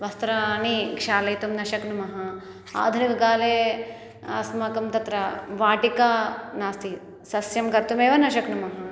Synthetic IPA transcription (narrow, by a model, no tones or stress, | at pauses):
ʋɐst̪ɾɐnikʂaːlɐjt̪umnɐʃɐknumɐɦɐ | a̰ːd̪ʱɐnikɐɡaːleː | ɐsmɐkɐmt̪ɐt̪ɾɐʋaːʈikaːnaːst̪i | sɐsjɐmkɐɾt̪umeːʋɐnɐʃɐknumɐɦɐ